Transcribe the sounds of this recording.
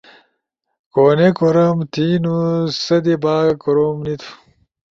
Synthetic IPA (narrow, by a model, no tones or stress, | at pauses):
koːnekoɾɐmt̪ʰiːnusɐd̪ibaːkoɾomnit̪ʰu̥